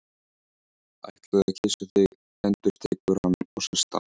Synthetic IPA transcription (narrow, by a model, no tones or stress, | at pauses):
a̰jht̪lɪðaðcʰɪːsʏθɪɣ | ɛnt̪ʏɾ̥t̪ʰeːkʏɾ̥hanːɔɣsɛst̪a̰